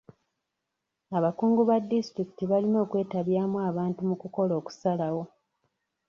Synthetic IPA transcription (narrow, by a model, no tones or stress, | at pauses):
aβakuːŋɡuβadːistɾiki̥tiβalino̞ːkwe̞ːtaβjaːmwaːβaːntumukuko̞lo̞ːku̥salawo̞